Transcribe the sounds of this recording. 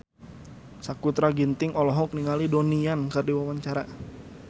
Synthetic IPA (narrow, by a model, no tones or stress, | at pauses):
sakut̪ɾaɡint̪ɪŋɔlɔɦɔk̚niŋalidoniankərdiwawaɲt͡ʃaɾa